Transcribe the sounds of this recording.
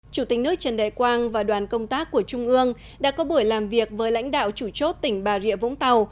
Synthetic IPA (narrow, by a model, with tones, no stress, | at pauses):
t͡ɕu˧˩t̪ï˨˩k̟nɨ˦˥ək̚t͡ɕə˨˧˩nɗa̰˧˨kwaː˧ŋvaː˨˩ɗwaː˨˩nkə˧wŋ͡mt̪aː˦˥kːu˧˩ət͡ɕʊ˧ŋ͡mʔɨ˧əŋ | ɗa̰ː˧˥kɔ˨˦ɓu˧˩əjlaː˨˩mvi˨˩ək̚vəː˨˦jla̰˧˥jŋ̟ɗa̰ː˧˨wt͡ɕu˧˩t͡ɕo˦˥t̚t̪ï˧˩ŋ̟ɓaː˨˩zḭ˧˨əvʊ̰˧˥ŋ͡mt̪a˨˩w